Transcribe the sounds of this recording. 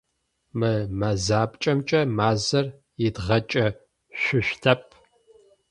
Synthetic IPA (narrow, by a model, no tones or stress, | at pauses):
mɨmɐzaːpʼt͡ʃʼɐmt͡ʃʼɐmaːzɐr | jɪdʁɐt͡ʃʼɐ | ɕʷʊɕʷtʰɐp̚ʰ